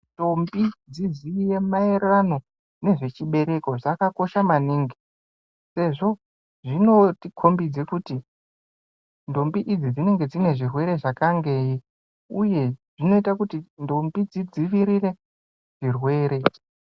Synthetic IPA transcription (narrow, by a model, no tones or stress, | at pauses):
ndo̞mbid͡zizijemaereano̞ | ne̞ʐe̞t͡ʃiɓe̞ɾe̞ko̞ʐakako̞ʃamaniːŋɡi | se̞ʐo̞ | ʐino̞tikʰo̞mbid͡ze̞kuti | ndo̞mbiʔid͡zid͡zine̞ŋɡe̞d͡zine̞ʐirwe̞ɾe̞ʐakaŋɡe̞ːji | uje̞ʐ̥ino̞itakutindo̞mbid͡zid͡ziʋiɾire̞ | ʐ̥irwe̞ːɾe̞